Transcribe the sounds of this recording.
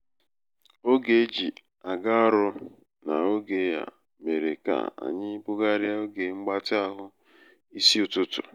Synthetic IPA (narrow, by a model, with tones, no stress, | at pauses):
o˦ɡe˨˦d͡ʒi˨ | a˨ɡa˦ɔ˦ɾʊ˦ | na̰˨o˦ɡe˨˦ja̰˨ | me˨ɾe˨ka̰˨a̰˨ɲɪ˦bʊ˦ɡa˦ɾɪ˦a˦o˦ɡe˨ŋ͡m̩˦ɡ͡ba˦tɪ˦a˦ɦʊ˦ | i˦si˦ʊ˨tʊ˦tʊ̰˨